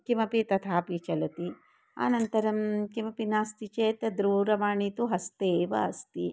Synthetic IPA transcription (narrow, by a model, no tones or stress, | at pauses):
kimɐpit̪ɐt̪ʰaːpit͡ʃɐlɐt̪i | a̰ːnɐnt̪ɐɾɐmkimɐpinaːst̪it͡ʃeːt̪ɐd̪ɾuːɾɐmaːɳit̪uɦɐst̪eːʋɐ̰ːst̪i